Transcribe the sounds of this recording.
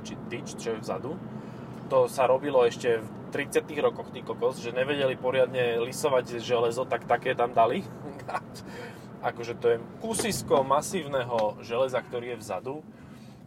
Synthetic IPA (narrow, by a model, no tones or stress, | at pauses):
t͡ʃit̪it͡ʃt͡ʃɔjɛvza̰d̪u | t̪ɔsaɾɔbilɔɛʃcɛf | t̪ɾit͡sɪat̪iːɣɾɔkɔxt̪iːkɔkɔzʒɛɲɛʋɛɟɛlipɔɾɪad̪ɲɛlisɔʋaɟʒɛlɛzɔt̪akt̪akɛːt̪amd̪ali | nac | akɔʒɛt̪ɔjɛkusiskɔmasiːʊnɛɦɔʒɛlɛzakt̪ɔɾiːjɛvza̰d̪u